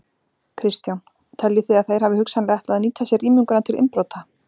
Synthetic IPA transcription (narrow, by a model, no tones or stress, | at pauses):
kʰɾɪst̪jawn | t̪ʰɛljɪθiaðθajɾ̥havɪhʏksanlaht̪aðniːt̪asjɛriːmʏŋkʏnat̪ʰɪlɪ̰mpɾowt̪a